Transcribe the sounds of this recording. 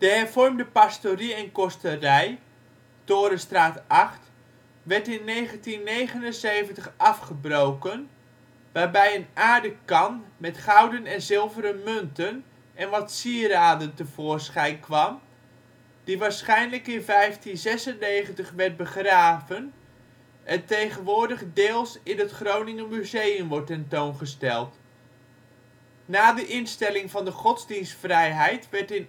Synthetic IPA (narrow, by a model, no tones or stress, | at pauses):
d̥əɦɛɹv̥ɔrmdəpastoriɛnkɔstərɛj | toːɾəstraːtɑχt | ʋɛɹtɪnːejχəntinːejχənənzejvəntəχɑfχəbrowkən | ʋaːɹbɛjənaːɹdəkɑnmɛtχawdənɛnzɪlˠvəɾəmɵntən | ɛnʋɑtsiəraːdəntəv̥ʊːrsχɛjnkʋɑm | d̥iʋaːɹsχɛjnləkɪnvɛjftinzɛsənːejχəntəχʋɛɹt̚bəχraːvən | əntejχənʋʊːɹdəχədɪːlˠsɪnətχrownɪŋəmyzejəmʋɔɹtɛntownχəstɛlˠt | naːdəʔɪnstɛlɪŋvɑndəχɔtzdinstfrɛjɦɛjtʋɛɹtɪn